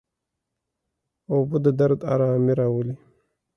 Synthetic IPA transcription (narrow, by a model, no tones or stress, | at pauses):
obud̪əd̪aɾd̪a̰ɾamiɾaːwəli